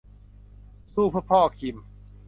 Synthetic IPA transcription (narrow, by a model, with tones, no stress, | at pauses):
suː˥˩pʰɯ˥˩pʰɔː˥˩kʰi˨˩m